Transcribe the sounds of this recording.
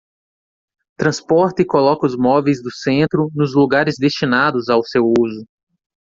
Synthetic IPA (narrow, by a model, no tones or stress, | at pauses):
t̪ɾɐ̃spɔɾt̪ɪkolɔkɐʊzmɔvejzd̪ʊsẽnt̪ɾʊnʊzluɡaɾɪzd̪est͡ʃinad̪ʊzawsewuzʊ